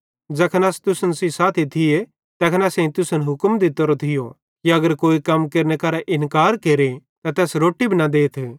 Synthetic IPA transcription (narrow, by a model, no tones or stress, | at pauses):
d͡ʒɐkʰnɐːst̪ʊsənsisaːt̪ʰit̪ʰɪje | t̪ɛːkʰnasɛ̃ĩt̪ʊsənɦʊkəmd̪it̪oɾot̪ʰɪjo | kiɐɡəɾkoːikɐmkɐɾnekaːɾaʔɪnkaːɾkeːɾet̪ɐt̪ɛːsɾoːʈibʱinad̪eːt̪ʰː